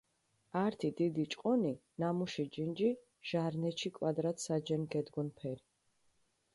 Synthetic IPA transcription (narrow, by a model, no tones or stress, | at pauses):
aɾt̪ʰid̪id̪it͡ʃʼqʼɔninamuʃid͡ʒind͡ʒi | ʒ̥aɾnɛʃikʼwad̪ɾat̪ʰsad͡ʒɛnɡɛd̪ɡɔnpʰɛɾi